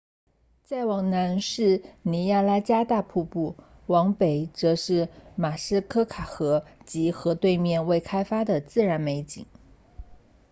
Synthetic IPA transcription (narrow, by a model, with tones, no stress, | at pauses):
t͡sa˥˩ɪwɑ˨˩ŋna˧˥nʂɻ̩˥˩ni˧˥ja˥˧la˥t͡ɕja˥t̪a˥˧pʰu˥˧pu˥˩ | wɑ˧˥ŋpe˨˩ɪt͡sɤ˧˥ʂɻ̩˥˩ma˨˩ʂɻ̩˥˧kʰɤ˥kʰa˨˩xɤ˧˥t͡ɕi˧˥xɤ˧˥t̪we˥˧ɪmjɛ˥˧nwe˥˩ɪkʰa˥ɪfa˥d̪ə˨t͡sɹ̩˥˩ɻa˧˥nme˧˥ɪt͡ɕi˨˩˦ŋ